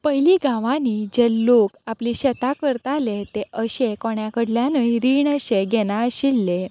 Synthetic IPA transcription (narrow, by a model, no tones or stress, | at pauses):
pəjliːɡãʋãniːd͡ʑelokapliːɕɛt̪akəɾt̪alet̪eəɕekɔɳjakəɽljãnəjɾiːɳəɕeɡɛnaəɕilːe